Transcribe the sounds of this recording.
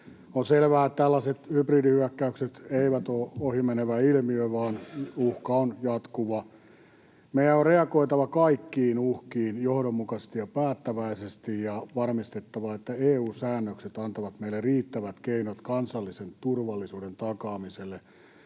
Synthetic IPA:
onselʋæːett̪ælːɑset̪hypridihyækːæykset̪eiʋæt̪oːohimeneʋæilmiøiʋɑːnuhkɑonjɑt̪kuʋɑ | meijæorreɑkoit̪ɑʋɑkɑikːiːnuhkiːnjohdomːukɑst̪ijɑpæːt̪ːæʋæisest̪ijjɑʋɑrmist̪et̪ːɑʋɑet̪ːæeːuːsæːnːøkset̪ɑnt̪ɑʋɑt̪meilːerriːt̪ːæʋæt̪keinot̪kɑnsɑlːisent̪urʋɑlːisuːdent̪ɑkɑːmiselːe

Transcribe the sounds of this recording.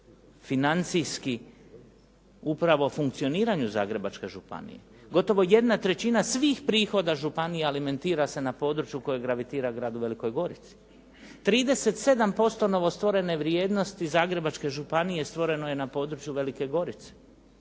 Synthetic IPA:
finant̪sijski | upɾaʋo̞fuŋkt̪sio̞niːɾaɲuza̰ːɡɾe̞bat͡ʃke̞ʒupa̰nḭje̞̰ | ɡo̞t̪o̞ʋo̞je̞d̪nat̪ɾe̞t͡ɕinasʋiːxpɾiːxo̞d̪aʒupanijealime̞nt̪iːɾase̞napo̞ːd̪ɾut͡ʃjuko̞jeɡɾaʋit̪iːɾaɡɾaːd̪uʋe̞liko̞jɡo̞ɾit̪si̥ | t̪ɾiːd̪e̞se̞t̪se̞d̪ampo̞st̪o̞no̞ʋo̞st̪ʋo̞ɾe̞ne̞ʋɾje̞ːd̪no̞st̪izaːɡɾe̞bat͡ʃke̞ʒupanije̞st̪ʋo̞ɾe̞noje̞napo̞ːd̪ɾut͡ʃjuʋe̞like̞ɡo̞ɾit̪se̥

